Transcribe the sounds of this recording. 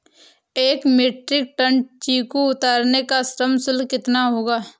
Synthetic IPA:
eːkmeːʈɾɪk̚ʈə̃ɳɖt͡ʃiːkoʊt̪aːɾnekasɾəmsʊlkɪt̪naɦoːɡaː

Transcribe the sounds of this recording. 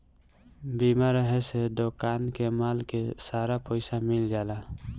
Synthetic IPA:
biːmaːɾəɦɛsed̪okaːnkemaːlkesaːɾapɔɪsamɪld͡ʒaːlaː

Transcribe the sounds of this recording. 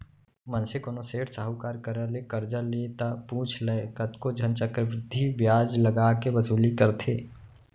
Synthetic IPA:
mə̃nsekoːnoseːʈʰsaɦəkaːɾkəɾəlekɐɾd͡ʒalet̪apũːt͡ʃʰleekɐt̪kod͡ʒʱənt͡ʃəkɾəʋɾɪd̪ʱːiʋjaːd͡ʒlɐɡaːkeʋɐsuːlikəɾt̪ʰeː

